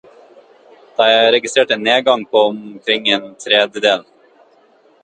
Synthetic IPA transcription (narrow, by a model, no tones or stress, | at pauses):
d̪̥ɑɪæɾɛɡɪst̪ɾeːʈenːeːɡɑŋpʰoɔmkʰɾɪŋːeːnt̪ʰɾɛd̪jəd̪eːl